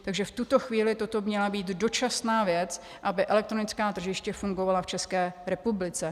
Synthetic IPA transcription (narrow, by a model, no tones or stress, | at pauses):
t̪aɡʒɛft̪ut̪o̞xviːlɪt̪o̞t̪o̞mmɲɛlabiːt̪do̞t͡ʃasnaːvjɛt͡s | ʔabɪʔɛlɛk̚t̪ɾo̞nɪt͡skaːt̪r̩ʒɪʃcɛfuŋɡo̞valaft͡ʃɛskɛːɾɛpublɪt͡sɛ